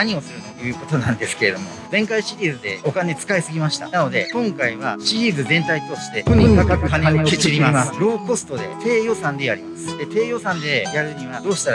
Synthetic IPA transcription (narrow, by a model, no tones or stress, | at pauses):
naɲ̟io̞sɨɾɯnojɯ̟ːko̞t̪o̞nãnd̪e̞sɨ̥ke̞ɾe̞d̪o̞̰mo̞zẽ̞ŋkaiɕiɾʲiːzɨd̪e̞o̞kane̞t͡sɨ̥kaisɨɡʲimaɕi̥t̪a̰nano̞d̪e̞kõ̞ŋkaiβaɕiɾʲiːzɨzẽ̞nt̪ait̪o̞ɕi̥t̪e̞oɲkakakɯkaneoeiɾʲimasɾo̞ːko̞sɨ̥t̪o̞d̪e̞̰t̪e̞ːjo̞sãnd̪e̞jaɾʲimasɨ̥d̪e̞t̪e̞ːjo̞sãnd̪e̞jaɾɯ̟ɲ̟iβad̪o̞ːɕi̥t̪aɾa